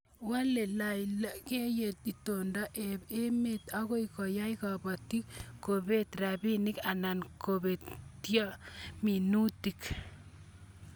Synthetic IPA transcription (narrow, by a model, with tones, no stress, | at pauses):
wa˦le˨lajla˦ke˦je˨t̪i˨to˨ndaʔee˦met̪ako˦ikɔ˨ja˦jkaba˨ti˦kːobet̪ɾabinika˨na˨nkobe˨tjɔ˦mi˨nu˦tik